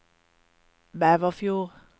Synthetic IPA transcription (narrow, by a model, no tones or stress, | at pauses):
bæʋɔfjuːʁ